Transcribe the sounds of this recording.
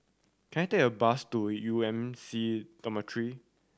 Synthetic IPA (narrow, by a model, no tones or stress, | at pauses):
kʰɛ̃nateəbastujuɛ̃msidɔmatʰɹi